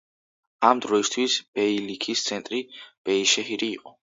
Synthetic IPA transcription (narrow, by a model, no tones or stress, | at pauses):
amd̪ɾɔist̪ʰwisb̥ɛilikʰist̪sʰɛnt̪ʼɾib̥ɛiʃɛɦiɾiːqʼɔ